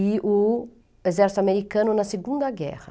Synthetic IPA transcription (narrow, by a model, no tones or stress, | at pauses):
iʔu | ezɛɾsameɾikãnunɐseɡũnd̪ɐɡɛ̰ʁɐ